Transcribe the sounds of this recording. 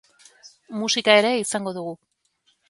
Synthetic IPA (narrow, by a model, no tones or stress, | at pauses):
musikae̞ɾe̞isaŋɡo̞ðuɣ̞u